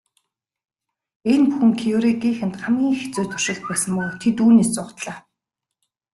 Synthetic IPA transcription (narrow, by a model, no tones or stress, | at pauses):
enpuxɘ̆ŋkʰioɾeɡiːxɘ̆nt̪χɢamɡʲiːŋxet͡suːt̪ʰʊ̥ʃɪ̆ɮt̪̚pæːsə̆mpʊːt̪ʰet̪uːneːst͡sʊːχt̪ɮaː